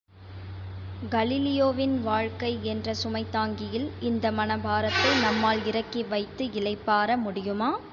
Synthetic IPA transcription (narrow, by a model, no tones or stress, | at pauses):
ɡɐlɪlɪjoːʋɪnʋaːɻkɐɪɛndrɐsʊmɐɪt̪ːaːŋɡɪjɪlɪnd̪ɐmɐnɐbʱaːɾɐt̪ːɐɪnɐmːaːlɪɾɐkːiʋɐɪt̪ːɯɪlɐɪpːaːɾɐmʊɽɪjɯmaː